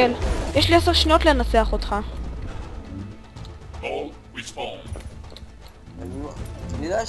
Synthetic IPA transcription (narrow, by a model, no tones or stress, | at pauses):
eljeʃlieseʁʃnio̞t̪lenat͡seaχot̪χa | nnida